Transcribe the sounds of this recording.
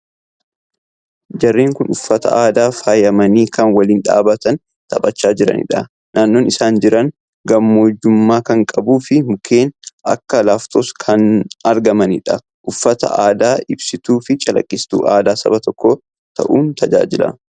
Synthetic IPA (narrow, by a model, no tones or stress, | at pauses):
d͡ʒɐrːeːŋkʊnʊfːɐt̪ɐ̰aːd̪aːfaːjɐmɐniːkɐnwɐliːnᶑa̰ːbɐt̪ɐn | t̪ɐpʼɐt͡ʃːaːd͡ʒɪɾɐ̰nɪ̰ᶑɐ | naːnːo̞ːnɪsaːnd͡ʒɪɾɐn | ɡɐmːoːd͡ʒːʊmːaːkɐŋkʼɐbuːfɪmʊkʰe̞ːnʔɐ̰kːɐlaːft̪ʰoːskʰɐnɐɾɡɐmɐnɪᶑɐ | ʔʊfːɐt̪ɐ̰ʔaːd̪aːɪbsɪt̪uːfɪt͡ʃʼɐlɐ̰kʼːɪst̪ṵːʔa̰ːd̪aːsɐ̰bɐt̪ɔkːo | t̪ʰɐ̰ʔuːnt̪ʰɐd͡ʒa̰ːd͡ʒɪlɐ̰